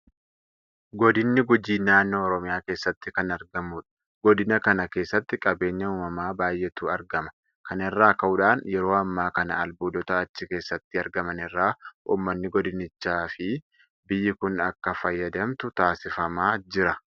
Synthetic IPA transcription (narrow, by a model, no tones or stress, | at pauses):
ɡɔd̪ɪnːɪɡʊd͡ʒiːnaːnːo̞ːɔɾɔmɪjaːke̞ːsːɐt̪ːɪkɐnɐɾɡɐmuːᶑɐ̥ | ɡ̥ɔd̪ɪnɐkɐnɐke̞ːsːɐt̪ːɪkʼɐbe̞ːɲːɐuːmɐmaːbaːjʔːɛt̪uːɐɾɡɐmɐ̥ | kɐnɛrːaːkɐʔʊᶑaːnjɛɾo̞ːɐmːaːkɐnɐ̰ɐlbuːd̪ɔt̪ɐːt͡ʃːɪke̞ːsːɐt̪ːɪɐɾɡɐmɐnɪrːaːṵːmːɐnːɪɡɔd̪ɪnɪt͡ʃːaːfɪ | bɪjːɪkʊnɐkːɐfɐjːɐd̪ɐmt̪ʊt̪aːsɪfɐmaːd͡ʒɪɾɐ